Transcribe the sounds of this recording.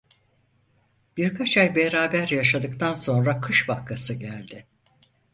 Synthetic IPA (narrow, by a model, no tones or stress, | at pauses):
b̥iɾkʰat͡ʃʰajbeɾaːbæɾjaʃad̪ɯkt̪ʰanso̞nɾakʰɯʃbakʰːasɯɟælʲd̪ɪ